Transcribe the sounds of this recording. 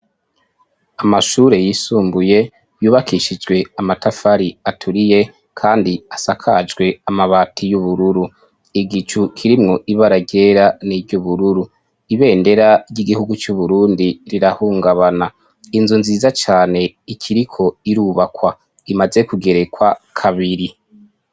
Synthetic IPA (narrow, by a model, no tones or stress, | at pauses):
amaʃuːɾe̞jisuːmbuje̞ | juːβakʰiʃid͡ʒɡwe̞amatafaɾiatʰuɾije̞ | kʰaːndiasakʰad͡ʒɡwe̞amaβaːtʰijuβuɾuɾu | iɡit͡ʃukʰiɾimŋo̞ʔiβaɾaɟe̞ɾanivɟuβuɾuɾu | iβe̞ːnde̞ɾaɟiɡihuɡut͡ʃuβuɾuːndiɾiɾahuːŋɡaβana | inzunziːzat͡ʃaːne̞ikʰiɾikʰo̞iɾuːβakwa | imaze̞kuɡe̞ɾe̞kwakʰaβiɾi